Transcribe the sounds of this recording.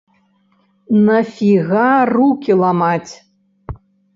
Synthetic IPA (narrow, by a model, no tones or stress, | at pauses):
nɐfʲiɣarukʲilˠamat͡sʲ